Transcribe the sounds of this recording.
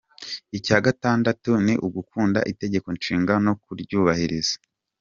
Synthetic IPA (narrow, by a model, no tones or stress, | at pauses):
icaːɡataːndatuniʔuɡukuːnda̰ʔite̞ɟe̞ko̞nʃiːŋɡano̞kuɾɟuːβahiɾizḁ